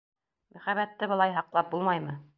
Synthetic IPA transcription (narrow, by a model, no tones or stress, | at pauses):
mʔæχæβæt̪ːɘbɤ̆lˠɑjɦɑqlˠɑp̚bulˠmɑjmɤ